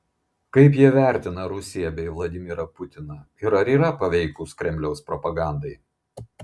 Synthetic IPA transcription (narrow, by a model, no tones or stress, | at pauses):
kɐɪp̬jiɛʋʲæˑɾʲt̪ʲɪnɐɾʊsʲɪjɛbʲɛɪʋlˠɐd̪ʲɪmʲɪɾɐpʊt̪ʲɪnɐ | ɪɾɐɾʲiːɾɐpɐʋʲɛɪkʊskɾʲɛmʲlʲɛʊspɾɔpɐɡɑˑnd̪ɐɪ